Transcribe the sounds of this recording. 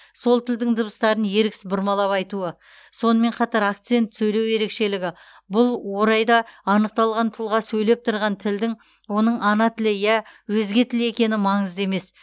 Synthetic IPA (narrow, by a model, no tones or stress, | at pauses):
so̞lˠt̪ʰɪld̪ɪŋd̪ʊbəst̪ɑɾənje̞ɾɪksɪ̥zbʊɾmɑlˠɑpɑjt̪uə | so̞nəme̞ɴqʰɑt̪ɑɾak̚t̪sɨe̞nt̪sɵjlewje̞ɾe̞kʃe̞lɪɡʲɪ | bʊlˠwo̞ɾɑjd̪ɑɑnəq̚t̪ɑlˠʁɑnt̪ʰʊlˠʁɑsɵjle̞p̚t̪ʰʊɾʁɑnt̪ʰɪld̪ɪŋ | wo̞nəɴʔɑnɑt̪ʰɪlɪjæwɵzɡʲe̞t̪ʰɪle̞kʲe̞nɪmɑɴəze̞me̞s